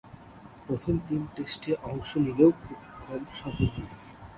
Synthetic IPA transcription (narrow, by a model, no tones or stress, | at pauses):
pɾot̪ʰomd̪inʈesʈeʔɔŋʃonileʊkʰubalʃafoɦi